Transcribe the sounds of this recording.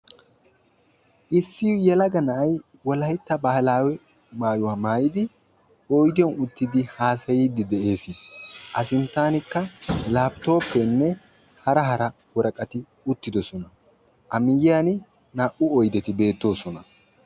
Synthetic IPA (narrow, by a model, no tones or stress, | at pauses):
ʔɪsːɪjʊjɛlɐɡɐnɐʔɐj | wɔlɐjɪt̪ːɐbɐhɐlaːwɛ | maːjʊwaːmaːjɪd̪ɪ | ɔjd̪ɪjɔnʊt̪ːɪd̪ɪhaːsɐjiːd̪ɪd̪ɛʔe̞ːsɪd̪ʔɐsɪnt̪ːaːnɪkːɐlaːbt̪o̞ːpːɛnːɛ | hɐɾɐɦɐɾɐ | wɔɾɐkʼɐt̪ɪ | ʊt̪ːɪd̪ɔsɔnɐ | ʔɐmɪjɪan | naːʔʊɔjd̪ɛt̪ɪbe̞ːt̪ːo̞ːsɔnɐ